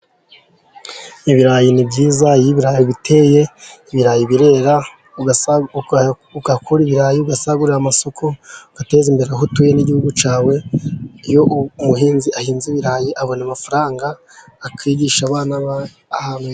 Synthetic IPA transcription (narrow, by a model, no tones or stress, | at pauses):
iβiɾajinibɟiːzajiβiɾajiβitʰe̞je̞iβiɾajiβiɾe̞ːɾa | uɡakʰuɾiβiɾaːjiuɡasaɡuɾamaso̞kʰoɡ̥ate̞zimbe̞ɾeɦutuːjeniɟihuɡut͡ʃaːwe̞ijo̞ʔmuɦiːnziʔahiːnziβiɾajiʔaβo̞namafaɾaːŋɡaː | kʰiːɟiʃaβaːnaβ | ahanwe